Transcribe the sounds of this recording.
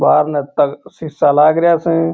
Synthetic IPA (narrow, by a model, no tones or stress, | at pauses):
baːɾnet̪əksɪsalaːɡɾɪjaːsẽː